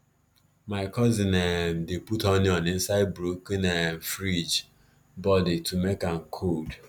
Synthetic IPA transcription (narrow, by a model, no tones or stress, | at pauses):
maɪkɔzinɛmdeputɔniɔnɪn̩saɪbɾuknɛm̩fɾid͡ʒ | bɔditumekankʰod